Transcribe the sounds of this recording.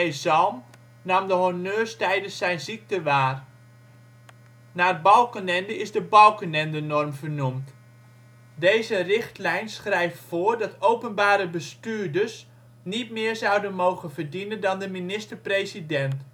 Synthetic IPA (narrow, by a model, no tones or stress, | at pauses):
ejzɔlˠm | namdəɦonøːstɛjdəsːɛjnzik̚təʋaːr | naːrbɑlˠkənɛndəɪzdəbɔlˠkənɛndənɔrmvərnumt | dejzərɪχtlɛjnsχrɛjftfoːɹdɑtowpənbaːɾəbəstyːɹdərs | nit̚mɪːɹzɑwdənmowχənvərdinəndɑndəminɪstəɹprejzidɛnt